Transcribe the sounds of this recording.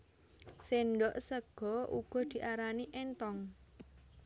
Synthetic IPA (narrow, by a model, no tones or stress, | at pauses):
senɖɔʔsəɡ̥ɔʔṵɡ̥ɔ̤d̪̥i̤ʔaɾaniʔɛnt̪ɔŋ